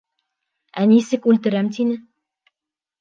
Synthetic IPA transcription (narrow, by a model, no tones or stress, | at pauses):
ænisɘkʉlt̪ɘ̆ɾæmt̪inɘ